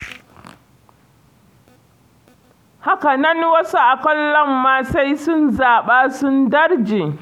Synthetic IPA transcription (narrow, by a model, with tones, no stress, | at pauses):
ha˦ka˨nɐ˦nwɐ˦su˦ʔa˨kʷɔ˦lːɐ˦mːaː˦sa˦jsʊ˦nzaː˨ɓaː˦sʊ˦ndɐ˦rd͡ʒeː˨